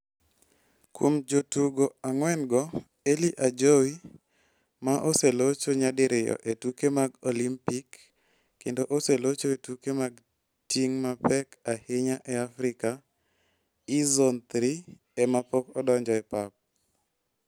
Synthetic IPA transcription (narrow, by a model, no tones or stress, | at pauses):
kwomd͡ʒotuɡoaŋwɛnɡɔ | eliʔad͡ʒowi | maʔoselot͡ʃoɲadɪɾɪjɔ̰ʔetukemaɡolimpikː | endoʔoselot͡ʃoetukemaɡ | tiŋmapɛkahɪɲaʔɛafɾɪka | izɔnt̪ɾi | ɛmapokɔdɔɲd͡ʒɔɛpap̚